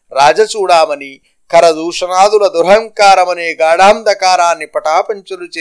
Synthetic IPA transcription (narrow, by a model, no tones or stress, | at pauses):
ɾaːd͡ʒɐt͡ʃuːɽaːmɐni | kɐɾɐd̪uːʂɐnaːd̪ulɐd̪uɾɦɐŋkaːɾɐmɐneːɡaːɽaːmd̪ɐkaːɾaːnːipɐʈaːpɐɲt͡ʃɐlut͡ʃeː